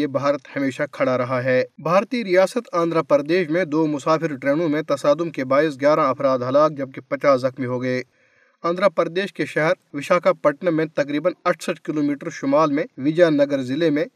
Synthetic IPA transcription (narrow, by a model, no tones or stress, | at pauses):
ebʱaːɾət̪hɐmeːʃakʰɐɽaɾɐɦaɦɛːbʱaːɾt̪iːɾijaːsət̪ãːnd̪ɾapəɾd̪eːʃmẽd̪oːmʊsaːpʰɪɾʈɾeːñõmẽt̪ɐsaːd̪ʊmkebaːɪs̬ɡjaːɾaɐpʰɾaːd̪ɦɐlaːk̚d͡ʒɐb̚kepɐt͡ʃaːszɐxmiɦoːɡɐeː | ãːnd̪ɾapəɾd̪eːʃkeʃɛɦɛɾʋɪʃaːkapɐʈnəmẽt̪ɐkɾiːbənɐʈʰsəʈʰkɪloːmiːʈəɾʃʊmaːlmẽʋɪd͡ʒaːnːɐɡəɾzɪlemẽ